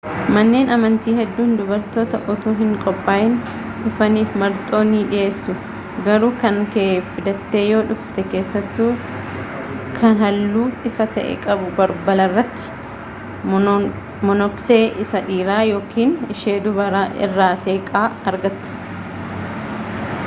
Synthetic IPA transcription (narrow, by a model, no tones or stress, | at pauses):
mɐnːe̞ːnʔɐmɐnt̪iːhɛd̪ːuːnd̪ʊbɐɾt̪oːt̪ɐʔɔt̪oːɦɪŋkʼɔpʼːaːjɪn | ᶑʊfɐniːfmɐɾt̪ʼo̞ːniːᶑɪjʔe̞ːsːʊ | ɡɐɾuːkɐŋkeːffɪd̪ɐt̪ːeːjo̞ːᶑʊft̪ɛke̞ːsːɐt̪ːuː | kʰɐnhɐlːuːᶑɪfɐt̪ɐ̰ʔɛ̰kʼɐbʊbɐɾbɐlɐrːɐt̪ːɪ̥ | mɔnɔkseːʔɪsɐᶑiːɾaːjo̞ːkʰiːnɪʃeːd̪ʊbɐɾaɪ̰rːaːse̞ːkʼaːɐɾɡɐt̪ːɐ̥